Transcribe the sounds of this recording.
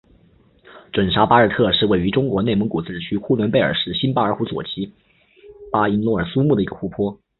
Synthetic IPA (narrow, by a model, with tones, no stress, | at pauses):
ʈ͡ʂwə˨˩nʂa˧˥pa˥ə˞˥˧˩t̪ʰɤ˥˧ʂɻ̩˥˧we˥˩ɪy˧˥ʈ͡ʂʊ˥ŋkwɔ˧˥ne˥˩ɪmə˧˥ŋku˨˩t͡sɹ̩˥˩ʈ͡ʂɻ̩˨˩t͡ɕʰy˥kʰu˥lwə˧˥npe˥˩ɪə̰˞˨˩ʂɻ̩˥˩ɕi˥npa˥ə˞˧˥xu˧˥t͡swɔ̰˨˩t͡ɕi˧˥ | pa˥i˥nlwɔ˥˩ə˞˨˩su˥mu˥˩d̪ə˩i˧˥ɡə̥˧xu˧˥pʰwɔ˥